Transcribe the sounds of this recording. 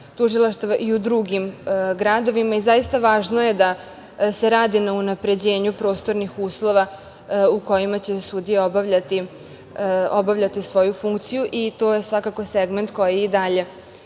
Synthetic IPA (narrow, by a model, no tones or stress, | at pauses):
t̪uʒilˠaʃt̪ʋaʔiud̪ɾuɡimɡɾad̪o̞ʋimaizajist̪aʋaːʒnoje̞d̪a | se̞ɾaːd̪inaunapɾe̞d͡ʑe̞ːɲupɾo̞ːst̪o̞ɾnixuːslˠo̞ʋa | uko̞jimat͡ɕe̞sud̪ijeobaʋʎat̪i | obaʋʎat̪isʋo̞jufuŋkt̪sijuʔit̪o̞ːje̞sʋakako̞seɡment̪ko̞jiːd̪aʎe̞